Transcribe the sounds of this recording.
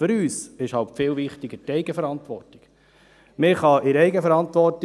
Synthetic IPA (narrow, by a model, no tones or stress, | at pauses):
føɾyːsɪʃhɑltfɪːlʋɪχtiɡətɛɪɡəfəɾɑnt̪ʋɔrti̥ɡ̥ | mɪχɑʔɪɾɛɪɡəfɛɾɑntʋɔrt